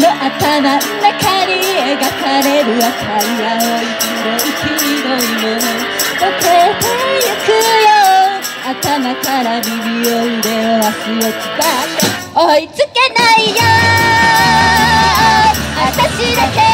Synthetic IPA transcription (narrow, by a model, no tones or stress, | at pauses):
noʔat̪anannakaɲieɡakaɾeɾɯakʰaiwaoitiɾoikʰʲiid̪oimoo | okeh̪ojɯkɯjo | at̪anakaɾabʲimʲijoid̪eoaɕijot͡ɕi̥pat̪e | oit͡sɨkenaijo | at̪aɕid̪ake